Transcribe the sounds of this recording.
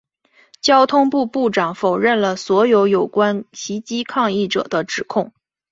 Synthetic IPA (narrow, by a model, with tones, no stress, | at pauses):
t͡ɕjɑ˥ʊt̪ʰʊ˥ŋpu˥˧pu˥˩ʈ͡ʂɑ˨˩ŋfo˨˩ʊɻə˥˩nlə˩swɔ˧˥jo˧˥ʊjo˨˩ʊkwa˥nɕi˧˥t͡ɕi˥kʰɑ˥˧ŋi˥˩ʈ͡ʂɤ̰˨˩d̪ə˦ʈ͡ʂɻ̩˨˩kʰʊ˥˩ŋ